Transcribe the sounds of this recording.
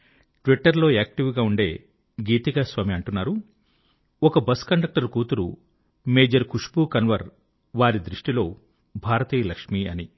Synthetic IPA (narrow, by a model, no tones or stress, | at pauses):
ʈʋiʈːɐɾlo̞ːeːk̚ʈiʋɡaːuɳɖe̞ː | ɡiːt̪iɡasʋaːmiɐɳʈunːaːɾu | ɔkɐbɐskɐɳɖɐk̚ʈɐɾkuːt̪uɾṵ | me̞ːd͡ʒɐɾkuʂpukɐnʋɐɾ | ʋaːɾid̪ɾiʂʈilo̞ː | bʱaːɾɐt̪iːlɐkʂmiːɐni